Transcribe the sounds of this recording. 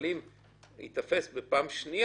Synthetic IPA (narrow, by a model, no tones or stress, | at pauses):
lim | hḭt̪afesbepaːmʃni